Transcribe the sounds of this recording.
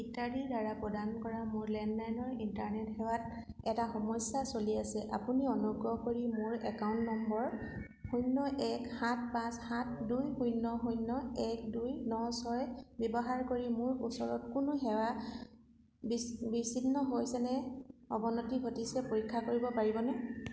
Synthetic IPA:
itaɹidaɹapɔdankɔɹamʊɹlɛnlajnɔɹintaɹnɛtxɛwat̚ | ɛtaxɔmɔsjasoliasɛʔapuniɔnuɡɹɔkoɹimʊɹɛkawntnɔmbɔɹ | xujnːɔʔɛkhat̚ʰpãshatʰdujhujnːɔɦujnːɔɛkdujnɔsɔɹɛbjɔbɔɦaɹkoɹimʊɹusɔɹɔt̚kʊnʊɦɛwa | bibisinːɔɦojsɛnɛɔ̰bɔnɔtibʱotisɛpoɹikʰːakoɹibɔpaɹibɔnɛ

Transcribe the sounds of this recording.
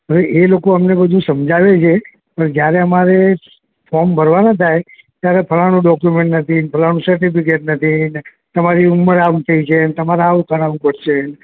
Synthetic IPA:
ɦəʋeʔelokoəmnebəd̪ʱũsəmd͡ʒaʋet͡ʃʰe | pəɳd͡ʒjaɾeəmaɾe | fɔɾmbʱəɾʋanat̪ʰaj | t̪jaɾepʰəlanũɖɔkjumẽɳʈnət̪ʰinpʰəlanũsəɾʈipik̬eʈ̚nət̪ʰine | t̪əmaɾiumːəɾaʋt̪ʰəit͡ʃʰenet̪əmaɾaːʋkʰəɾaʋũpəɾʃen

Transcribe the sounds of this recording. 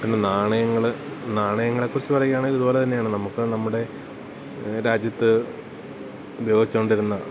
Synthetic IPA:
pinːenaːɳɐjɐŋːɐɭnaːɳɐjɐŋːɐɭe̞kːurit͡ɕːɨpɐrɐjikːaːɳiðɐðubo̞ːlet̪ɐnːejaːɳɨnɐmukːɨnɐmːuɽe̞ | ɾaːd͡ʑjɐt̪ːɨ | ubʱɐjo̞ːɡit͡ɕːukːoɳɖiɾunːɐ

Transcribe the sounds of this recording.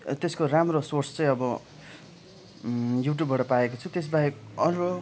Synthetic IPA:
t̪eskoramrosort͡st͡sʌ̃j̃ʌbʌ | juʈ̬jubbʌʈʌpaekot͡sʰut̪es̬baekʌɾo

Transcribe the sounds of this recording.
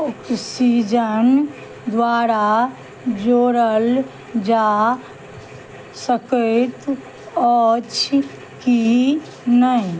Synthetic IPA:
ɔksid͡ʒən | d̪waːɾa | d͡ʒoːɾəl | d͡ʒa | səkət̪ | ɔt͡ʃʰ | ki | nəĩ

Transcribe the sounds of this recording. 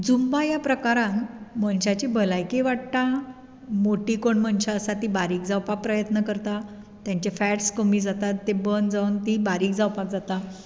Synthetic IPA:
d͡zumbajapɾəkaɾãnmənɕat͡ɕibəlajkeʋaʈ̚t̪a | moʈikoɳmənɕaəsat̪ibaɾiːkd͡zawpak̚pɾəjət̪nəkəɾt̪a | t̪jãɲt͡ɕafæʈskəmiːd͡zat̪at̪ːebənd͡zawnt̪ibaɾiːk̚d͡zawpak̚d͡zat̪a

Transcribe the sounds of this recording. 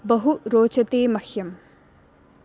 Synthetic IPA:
bɐɦuɾoːt͡ʃɐt̪emɐhjɐm

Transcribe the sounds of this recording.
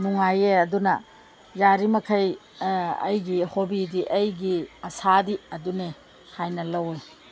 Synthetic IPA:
nuŋajeɐdunɐ | jaɾimɐkʰɐj | ɐ̰jɡihobidiʔɐjɡiɐsadiɐdune | hajnɐlɐwe

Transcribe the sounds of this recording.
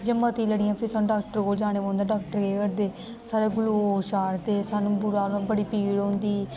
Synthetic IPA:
d͡ʒəmaːt̪iːləɽɪjãːpʰɪɾsaːñːɖaːk̚ʈəɾkoːld͡ʒaːñeːbãːnd̪aːɖaːk̚ʈəɾɡeːkəɾd̪eː | saːɾeːɡʊluːoːʃaːɾt̪eːsaːnũːbʊɾaːãːbəɽiːpiːɽõːnd̪iː

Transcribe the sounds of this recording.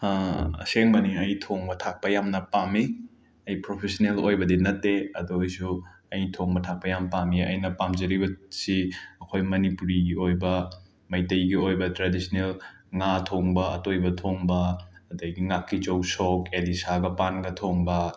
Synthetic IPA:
ɐ̰seŋbɐniɐjtʰoŋbɐtʰak̚pɐjamnɐpami | ɐjpɾopʰesonelojbɐdinɐtːeɐduɐjsu | ɐjtʰoŋbɐtʰak̚pɐjampamiɐ̰jnɐpamzɐɾibɐsiɐkʰojmɐnipuɾiɡiojbɐ | mɐjtɐjɡiojbɐtɾadisnelŋatʰoŋbɐɐ̰tojbɐtʰoŋbɐɐdɐɡiŋakʰːit͡ʃɐwsokelisaɡɐpanɡɐtʰoŋbɐ

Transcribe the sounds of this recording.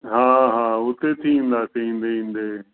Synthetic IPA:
ɦãːɦãːʊt̪eːt̪ʰĩnd̪aːt͡ʃĩːnd̪eĩːnd̪eː

